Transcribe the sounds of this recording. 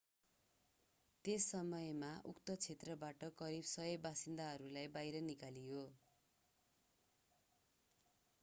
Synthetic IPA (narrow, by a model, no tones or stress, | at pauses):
t̪esʌmʌjmaʔukt̪ʌt͡sʰet̪rʌbaʈʌkʌɾibsʌɦʌbasind̪aɦʌɾulajbajɾʌnikaliɦo